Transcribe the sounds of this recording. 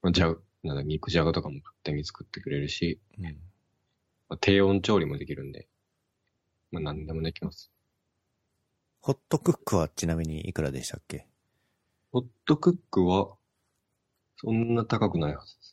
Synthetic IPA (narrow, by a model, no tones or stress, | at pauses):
mad͡ʑa | nãnd̪aikɯ̟ʑaɡat̪o̞kamo̞kɯ̥t̪ːẽɲ̟ːit͡sɨ̥kɯ̟t̪ːe̞kɯ̟ɾe̞ɾɯ̟ɕi | ɯ̟ | mat̪ʰe̞ːõ̞ɲt͡ɕo̞ːɾʲimo̞d̪e̞kʲiɾɯ̟̃nd̪e̞̰ | manãnd̪e̞mo̞nekʲimasɨ̥ | ho̞t̪ːo̞kɯ̟kːɯ̟βat͡ɕinamʲiɲ̟iʔḭkɯ̟ɾad̪e̞ɕi̥t̪akːe̞ | ho̞t̪ːo̞kɯ̟kːɯ̟βa | sõ̞nːat̪akakɯ̟naihazɨ̥d̪es